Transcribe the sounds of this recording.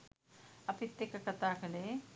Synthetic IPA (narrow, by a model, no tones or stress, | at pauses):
ɐpit̪ːekɐkɐt̪aːkɐleː